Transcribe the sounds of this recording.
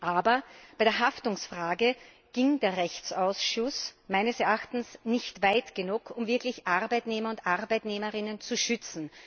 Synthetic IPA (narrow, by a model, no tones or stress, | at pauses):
ʔaːbɐb̥æɪdeːɐɦaftʊŋsfʁ̥aːɡə | ɡ̥ɪŋdeːɐʁɛçt͡saʊsʃʊsmæɪnəsɛɐʔaxtn̩snɪçtv̥æɪtɡ̥ənukʰʊmvɪɐklɪçʔaʁbæɪtneːmɐʊntʔaʁbæɪtneːməʁɪnənt͡suʃʏt͡sn̩